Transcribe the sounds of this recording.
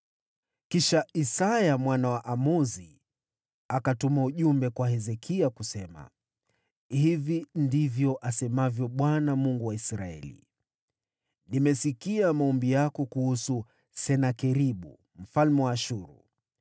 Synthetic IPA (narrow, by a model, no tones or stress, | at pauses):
kiʃaisajamwanawaʔamuzi | akatumauʄumbɛkwahɛzɛkʰiakusɛma̰ | hivindivjɔʔasɛmavjɔɓwanamuŋɡuwaisɾa̰ɛ̰lḭ | nimɛsikiamaɔmbijakɔkuhusu | sɛnakɛɾiɓṵ | m̩falmɛwaːʃuɾṵ